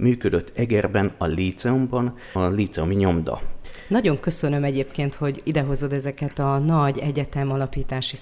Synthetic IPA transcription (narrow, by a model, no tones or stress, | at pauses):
myːkød̪øt̪ʰːɛɡɛrbɛnɒliːt̪sɛumbɒn | liːt̪sɛomiɲo̞md̪ɒ̰nɒɟo̞ŋkø̞sø̞nø̞mɛɟeːpkeːnt̪ho̞ɟid̪ɛɦo̞zo̞d̪ɛzɛkɛt̪ɒnɒɟɛɟɛt̪ɛmɒlɒpiːt̪aːʃi